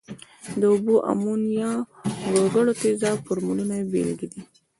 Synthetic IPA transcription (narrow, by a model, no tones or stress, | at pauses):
d̪əʊbuʔa̰munjɑɡoɡəɽot̪ezɑpəɾmulunabḛlɡid̪i